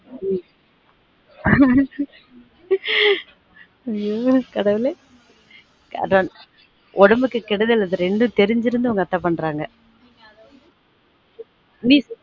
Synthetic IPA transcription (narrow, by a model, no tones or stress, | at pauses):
mi | ɐjokɐɽɐʋɪle | ɐ̰ɐn | ʔɔɽɐmbɯkːɯkɪɽɐðɪlːɐðɯɾɛɳɖɯt̪ɛɾɪɲd͡ʒɪɾɯnd̪ɯʊŋɡɐt̪ːaːpɐɳːɾaːŋɡɐ | miːs